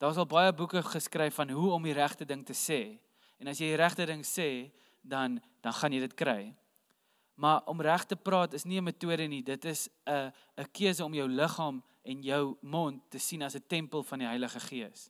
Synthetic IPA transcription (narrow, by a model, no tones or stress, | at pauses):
d̥ɑːs̬ɐlˠbɐjəbukəχəskrɛjfɐnɦuɔmiɾæχtədəŋtəsɛː | ɛnɐsjɛjiɾæχtədəŋsɛː | dɐn | d̥ɐnχɐnjəjdətkɾɛj | mɐʔɔmræχtəprɑːtəsniəmətuəɾənidətəsəː | kiəsəɔmjœwləχɑːm | ɛnjœwmɔntːəsinɐsətɛmpəlˠfɐndiɦɐjləχəχiəs